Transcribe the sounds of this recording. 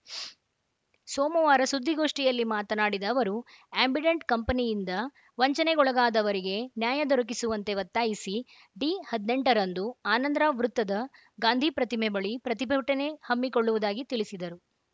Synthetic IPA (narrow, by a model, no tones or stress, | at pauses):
sɔːmɐʋaːɾɐsud̪ʱːiɡo̞ːʂʈijɐlːimaːt̪ɐnaːɽid̪ɐːʋɐɾu | eːmbʱiɖeɳʈkɐmpɐnijind̪ɐ | ʋɐɲt͡ʃɐneɡɔɭɐɡaːd̪ɐʋɐɾiɡe̞njaːjɐd̪ɔɾɐk̬isuʋɐnt̪e̞ʋɐt̪ːaːjisi | ɖiːhɐd̪ne̞ɳʈɐɾɐnd̪uaːnɐnd̪ɾɐʋɾut̪ːɐd̪ɐ | ɡaːnd̪ʱipɾɐt̪imebɐɭipɾɐt̪ibʱɐʈɐne̞hɐmːikoɭːuʋud̪aːɡit̪iɭisid̪ɐɾu